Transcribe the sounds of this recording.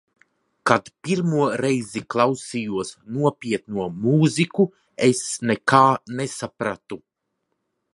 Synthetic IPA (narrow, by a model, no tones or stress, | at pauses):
kat̪piɾmuɔɾɛjziklˠawsijuɔsnuɔpʲiɛt̪nuɔmuːziku | esnekaːnesapɾat̪u